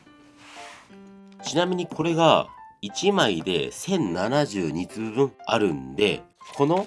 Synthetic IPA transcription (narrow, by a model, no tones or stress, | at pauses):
t͡ɕinamʲiɲ̟ikʰo̞ɾe̞ɡait͡ɕimaid̪e̞̰sẽ̞nnanad͡ʑɨːɲit͡sɨbɯ̃ŋa̰ɾɯ̟nd̪e̞kʰo̞no̞